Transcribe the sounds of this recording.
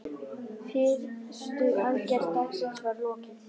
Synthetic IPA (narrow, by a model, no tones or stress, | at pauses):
fɪɾst̪ʏaðcɛɾ̥t̪aksɪnsvaɾlɔːcɪ